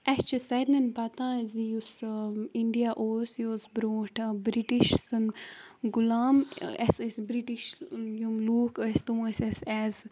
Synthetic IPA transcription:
ɛst͡ʃisɐɾnɐnpɐt̪ãːzijusiɳɖijaʔoːɾsjoːsbɾoːʈʰbɾiʈiʃsɨn | ɡulaːmɛsesbɾiʈiʃjumluːkəst̪umsesɛz

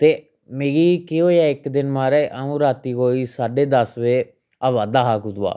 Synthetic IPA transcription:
t̪eː | meːɡiːkɪɦoːjaːɪkd̪ɪnmaːɾɛːʔaːũːɾaːt̪iːkoːiːsaːɖeːd̪əsʋeː | aːʋaːd̪aːɦaːkʊd̪a̰ː

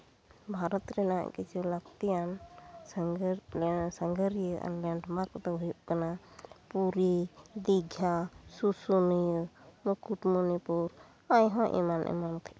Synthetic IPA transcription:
bʱaɾɔt̪ɾɛna̰kit͡ʃilakt̪ijan | səŋɡəɾijəa̰nlɛɳɖmaɾpt̪ɔɦujuʔkanapuɾid̪iɡʱjasusunijumukuʈmonipuɾ | ajɦɔ̃ʔḭmanʔɛ̰mank̪ʰɛ̥

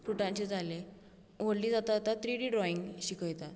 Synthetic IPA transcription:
ɾuʈãɲt͡ɕed͡zale | oɽliːd͡zat̪at̪at̪ɾiɖiɖɾɔiŋɡɕikəjt̪at̪

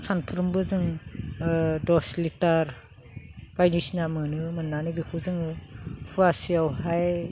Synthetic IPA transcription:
sanpʰɯɾɯmbɯzɯŋ | dɔslitaɾ | b̥ajnisnamɯnɯmɯnːanibikʰuzɯŋɯpʰuasiawɦaj

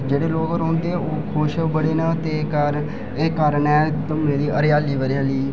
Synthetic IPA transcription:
d͡ʒeːɽeːloːkoːɾɦõːnd̪eːɛːoːkʰoːʃbəɽeːnãːt̪eːkəɾ | eːkaːɾənɛːt̪ʊmnẽːd̪iːʔəɾjaːliːʋəɾjãːliː

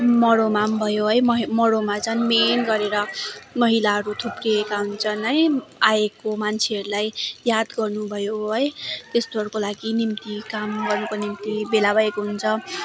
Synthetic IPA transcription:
mʌɽomambʱʌjoɦʌjmʌɦmʌɽomat͡sʌj̃menɡʌɾeɾʌmʌɦilaɦʌɾut̪ʰupriːkaɦunt͡sʰʌnɦʌjaekomant͡sʰeʌɾulajjad̪ɡʌrnubʱʌjoɦʌjt̪est̪oɦʌɽukolaɡinimt̪ikamɡʌrnukonimt̪ibelabʌekoɦunt͡sʰʌ

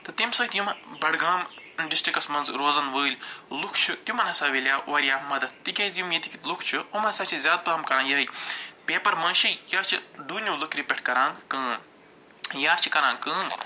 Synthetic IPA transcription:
t̪ɨt̪imsɐt̪jumbɐɽɡaːmɖisʈɾikɐsmɐnzɾoːzɐnʋəːlʲlukʰt͡ʃʰut̪jumɐnɐsaːʋelʲjaːʔoːɾjaːmɐd̪ɐt̪̚t̪ikʲɐjzjumjit̪ikʰilukʰt͡ʃʰuomɐnsaːt͡ʃʰizʲaːd̪̚t̪uɐːmkɐɾaːjɐːipʲeːpɐɾmɐ̃nʃijaːt͡ʃʰid̪uːnʲjuːlukʰɾipʲeʈʰkɐɾãːŋkɨ̃ː | jaːt͡ʃʰi̥kɐɾãːŋkɨ̃ː

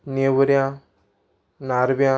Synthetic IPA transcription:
nebəɾijã | naɾbijã

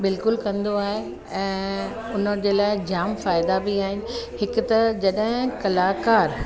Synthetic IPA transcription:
bɪlkʊlkɐ̃nd̪oaːɦe | ɛ̃ː | ʊnəd͡ʑeːlaːɪd͡ʑaːmfaːɪd̪abɪaːɦɪnɪ̆ɦɪkʊ̆t̪ɐd͡ʑɐɗɦɪ̃kɐlaːkaːɾ

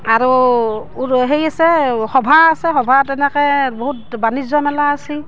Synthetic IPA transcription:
aɹuuɦejasɛxɔbʱaːsɛxɔbʱatɛnɛkɛboɦut̚banizɔmɛlaːsi

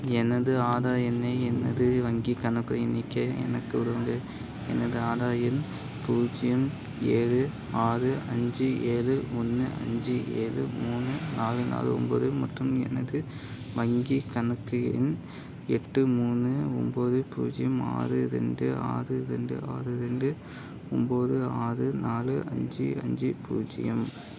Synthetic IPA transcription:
ɛnːɐðɯaːðaːjɐnːeːɛnːɐðɯʋɐŋɡikɐnɯkːɯɾɐjɪnːɪkːɐɛ̰nɐkːɯʋʊɾɯʋɐŋɡɐ | ɛ̰nːɐðɯaːðaːjɐn | puːd͡ʒɪjɐm | eːɻɯ | aːrɯʔɐɲd͡ʒɯeːlɯɔnːɯʔɐ̰ɲd͡ʒɯḛːɻɯ̰muːnɯnaːlɯna̰ːlɯ̰ɔ̰mbo̰ːðɯmɐʈrɯmɛ̰nɐðɯ | ʋɐŋɡikɐnɯkːɯjɪ̰n | ɛʈːɯmuːnːɯɔmboːðɯpṵːd͡ʒɪjɐma̰ːrɯɾɛ̰ɳɖɯa̰ːrɯɾɛɳɖɯ̰a̰ːrɯɾɛɳɖɯ | ɔmboːðɯaːrɯnaːlɯʔɐ̰ɲd͡ʒɯɐ̰ɲd͡ʒɯpṵːd͡ʒɪ̰jɐm

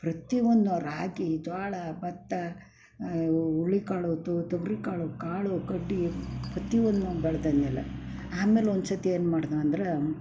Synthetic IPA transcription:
pɾɐt̪iʋond̪uɾaːɡid͡ʒ̪aːɭɐbɐt̪ːɐ | uɭːikaːɭoːt̪ut̪ɐʋɾikaːɭokaːɭukɐɖːipɾɐt̪iʋond̪ubɛɭd̪ɐnːilːɐ̰ | aːmeːlond̪sɐt̪ieːnmaːɽd̪aɐnd̪ɾe

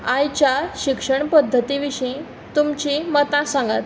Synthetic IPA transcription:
ãjt͡ɕjaɕikʂəɳpəd̪ʱːət̪iʋiʂĩ | t̪umt͡ɕiːmət̪ãsãŋɡa̰t̪

